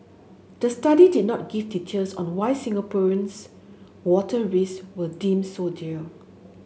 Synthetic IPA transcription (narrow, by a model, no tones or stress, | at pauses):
d̥əstadidid̚nɔt̚ɡiftit͡ʃəlsɔ̰̃nwajsĩŋəpuɹə̃ns | wɔtʰəɹiswədĩmsodiə